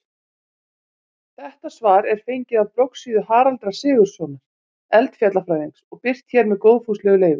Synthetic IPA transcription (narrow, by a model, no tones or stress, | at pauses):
θɛht̪asvaːɾɛɾ̥fejɲcɪðavpɾowksiːðʏhaːɾalt̪ɾḁsɪːɣʏɾ̥sɔːnaɾ̥ | ɛlt̪fjat̪lafɾaːjðiŋsɔɣpɪr̥t̪çɛːɾmɛðkoːwðfuslɛːɣʏleːjvʏ̥